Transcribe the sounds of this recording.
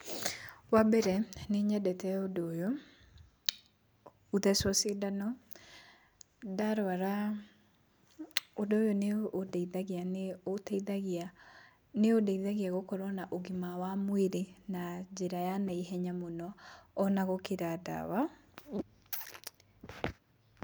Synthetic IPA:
wabɛɾɛneɲɛdɛtɛodojo | uðɛsɔsidanɔ | daɾwaɾa | odojoneodɛiðaɣianeotɛiðaɣa | neodaiðaɣiaɣokɔɾɔnaʔoɡimawamweɾenad͡ʒeɾajanaiɦɛɲamonɔːnaɣokeɾada̰wa

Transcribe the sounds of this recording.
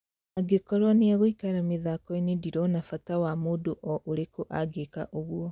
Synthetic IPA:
aɡekɔɾɔneaɣoikaɾameðakɔinediɾɔnafatawamoːdoʔɔʔoɾekoʔaɡeka̰ʔoɣwɔ

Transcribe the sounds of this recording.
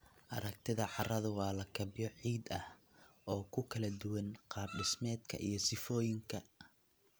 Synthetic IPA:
ʔɐɾɐk̚t̪ʰɪðɐʕɑrɐðʊwɑːlɐkʰɐbɪjɔʕiːd̪ɐh | ɔːkʰʊkʰɐlɐd̪ʊwɐnqɑːbɖɪsmɛːd̪kʰɐ̰ʔḭjɞsɪfɔːjɪŋkʰɐ

